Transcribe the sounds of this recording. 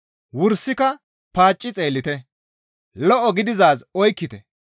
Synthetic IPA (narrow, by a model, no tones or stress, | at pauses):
wʊɾsɪkɐ | paːt͡ʃʼːɪt͡sʼe̞ːlːɪt̪ɛ | lɔʔɔɡɪd̪ɪzaːzɔjkːɪt̪ɛ